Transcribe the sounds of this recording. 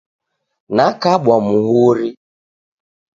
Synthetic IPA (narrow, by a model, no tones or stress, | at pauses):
nakaɓwɔmuɦuɾi